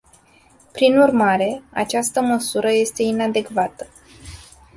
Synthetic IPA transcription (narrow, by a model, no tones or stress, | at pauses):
pɾinurmaɾe̞a̰t͡ʃast̪əməsuɾəje̞st̪e̞inad̪e̞kvat̪ə̥